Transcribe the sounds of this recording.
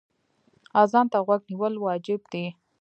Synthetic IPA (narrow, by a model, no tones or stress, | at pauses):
ɑzɑnt̪aɣwaɡniwəlwɑd͡ʒɪbd̪i